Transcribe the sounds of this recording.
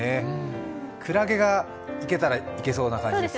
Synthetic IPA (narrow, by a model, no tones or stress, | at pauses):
e | kʰɯ̟ɾaɡe̞ɡa | ike̞t̪aɾaike̞so̞ːnakãɲ